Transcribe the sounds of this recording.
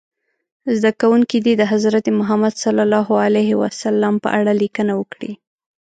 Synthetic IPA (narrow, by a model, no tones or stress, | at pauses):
zd̪akawuŋkid̪id̪əɦazɾat̪emʊɦamad̪salːalɑɦaleɦɪwa̰salːampə̰ʔaɽalikənawəkɽḭ